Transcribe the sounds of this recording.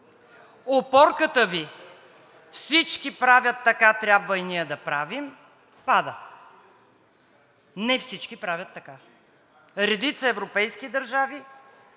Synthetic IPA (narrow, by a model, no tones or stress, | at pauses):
opɔɾkət̪əvi | fsit͡ʃkipɾavʲət̪ːɐkat̪ɾʲabvəinijəd̪ɐpɾavim | pad̪ə | nɛfsit͡ʃkipɾavʲət̪ːɐka | ɾɛd̪it̪səɛvɾopɛjskid̪ɐɾʒavi